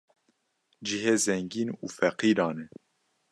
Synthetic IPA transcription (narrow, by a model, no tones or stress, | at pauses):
d͡ʒiɦeːzɛŋɡiːnuːfɛqiːɾɑːnɛ